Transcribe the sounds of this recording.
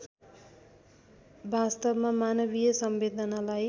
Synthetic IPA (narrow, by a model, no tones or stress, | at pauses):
bast̪ʌbmamanʌβijʌsʌmbed̪ʱʌnalaj